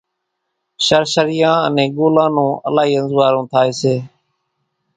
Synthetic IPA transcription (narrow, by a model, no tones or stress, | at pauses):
ʃəɾʃəɾɪjãːənẽːɡoːlãːnũːʔə̰laːɦiːə̃nzʋaːɾõːt̪ʰaːeːseː